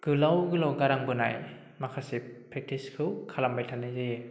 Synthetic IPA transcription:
ɡ̥ɯlawɡɯlawɡaɾaŋbɯna̰j | makʰasipʰɾek̚tʰiskʰɯwkʰalambajtʰanɯzi

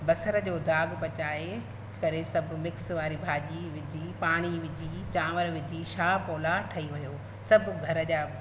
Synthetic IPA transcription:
bɐsəɾəd͡ʑoːd̪aːɡpɐt͡ɕaːe | kɐɾesɐbʱʊ̆mɪksʋaːɾibʱaːʄiʋɪd͡ʑiːpaːɽ̃iʋɪd͡ʑʱit͡ɕaːʋəɾʋɪd͡ʑiʃaːpoːlaʈʰɐiʋɐjoː | sɐbʱʊɡʱɐɾəʄaː

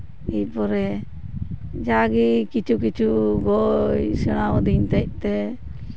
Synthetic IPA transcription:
icpɔɾɛ | d͡ʒaɡikit͡ʃʰukit͡ʃʰuɡɔjsɛɽ̃aɔd̪iɲt̪ac̚t̪ɛ

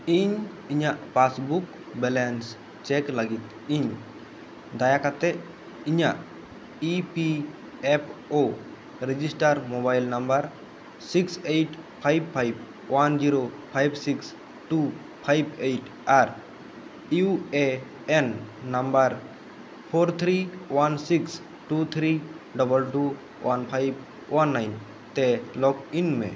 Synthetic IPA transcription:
iɲ | iɲaʔpasbuk | bɛlɛns | t͡ʃɛklaɡit̪ | iɲ | d̪ajakat̪ɛʔ | iɲaʔ | ipi | ɛpʰo | ɾɛd͡ʒisʈaɾmobajlnambaɾ | siksejʈpʰajb̚pʰajb̚ | wand͡ʒiɾopʰajbsiks | ʈu | pʰajbejʈ | aɾ | jue | enːambəɾ | pʰoɾt̪ʰɾiwansiks | ʈut̪ʰɾi | ɖɔbəlʈu | wanpʰajb | wanːajn | t̪elɔkinmḛ̃

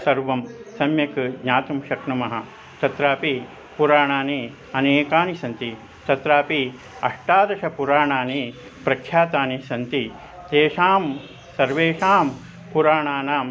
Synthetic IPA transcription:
sɐɾʋɐmsɐmjɐkɡɲaːt̪umʃɐkɳɐmɐɦɐ | t̪ɐt̪ɾaːpi | puɾaːɳaːniː | ɐneːkaːnisɐnt̪i | t̪ɐt̪ɾaːpi | ɐʂʈaːd̪ɐʃɐpuɾaːɳaːneː | pɾɐkʰːjaːt̪aːnisɐnt̪i | t̪eːʂaːm | sɐɾʋeːʂaːm | puɾaːɳaːnaːm

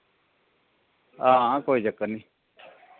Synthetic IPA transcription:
ãːkoːiːd͡ʒəkːəniː

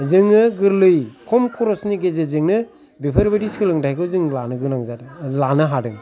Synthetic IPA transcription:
zɯŋːɯɡɯɾlɯjkʰɔmkʰɔɾɔsniɡezezɯŋnɯ | bipʰɯɾbediskɯlɯŋdajkʰɯzɯŋlanɯɡɯnaŋzatlanɯɦadɯŋ

